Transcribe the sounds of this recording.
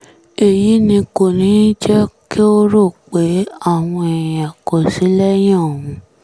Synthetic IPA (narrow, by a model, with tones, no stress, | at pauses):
e˨ji˨˦nĩ˧ko˨nĩ˨˦d͡ʒɛ˦ki˦o˦ɾo˦˨k͡pe˨˦a˦˨w̃ɔ̃˧e˨j̃a˨ko˨si˨˦lɛ˦j̃ã˦o˨wũ˧